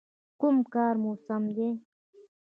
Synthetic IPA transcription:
kʊmkɑːɾmusamd̪e

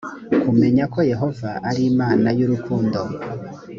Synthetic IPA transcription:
kume̞ɲako̞je̞ɦo̞vaʔaɾiːmaːnajuɾukʰuːndo̞

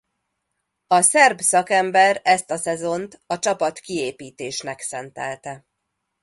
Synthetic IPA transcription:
ɒsɛrbsɒkɛmbɛɾɛst̪ɒsɛzo̞nt̪ɒt͡ʃɒpɒt̪kieːpiːt̪eːʃnɛksɛnt̪ɛlt̪ɛ

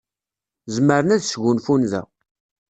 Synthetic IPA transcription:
zməɾənæðsʝunfunðæ̰

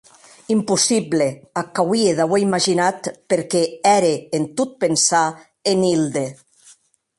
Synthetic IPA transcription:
impusibleakawieðaβwejmaʒinat̪peɾkɛɛɾeːnt̪ut̪̚pensa | enild̪e

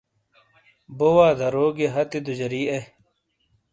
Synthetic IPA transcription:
bowaːd̪ʱɐɾoːɡeɦɐt̪id̪ud͡ʑɐɾiːe

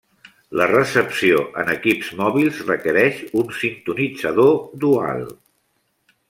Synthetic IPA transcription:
lərəsəpsioʔə̰nəkipzmɔβilˠzrəkəɾɛʃunsint̪unid͡zəðod̪ua̰lˠ

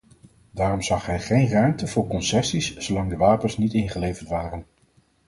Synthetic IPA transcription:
daːrɔmzɑχɦɛjχejnrœɥmtəv̥ʊːɹkɔnsɛsissowlɑŋdəʋaːpənsnitɪnχəlejvəɹtʋaːrən

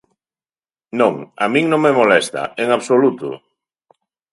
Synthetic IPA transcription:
nõŋa̰mĩŋnõŋmemolɛst̪a̰eŋaβsolut̪ʊ̰

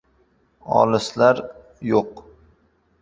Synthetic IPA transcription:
ɒ̰lɪslaɾ | joq

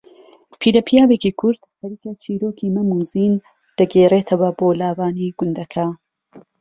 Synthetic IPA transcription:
pʰiːɾɐpʰijaːweːkiːkʰʊɾd̪̥hɐɾiːkɐt͡ʃʰiːɾoːkiːmɐmuːziːn | d̪̥ɐɡeːreːt̪ʰɐwɐboːlaːwaːniɡʊnd̪ɐkʰa

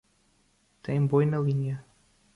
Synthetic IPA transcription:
t̪ɐ̃j̃bõjnɐlˠiɲɐ

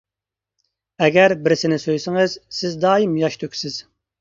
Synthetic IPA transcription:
ɛɡʲæɾbɪɾɪsɪnɪsøjsɪŋɨz̥sɪzd̪ɑːjimjɑʃt̪ʰøkʲsɪz̥

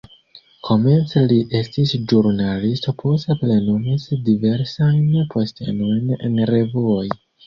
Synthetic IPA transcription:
kʰo̞me̞nt͡seliʔe̞stisʒuɾnalisto̞pʰo̞steple̞numisdive̞ɾsajnpʰo̞stʰe̞̰no̞jne̞̰nre̞vuoj

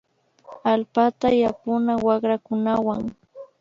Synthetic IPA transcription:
alpat̪ajapʊnawɑχɾakʊnawaŋ

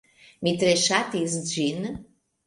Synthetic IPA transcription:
mit̪ɾeʃat̪isd͡ʒin

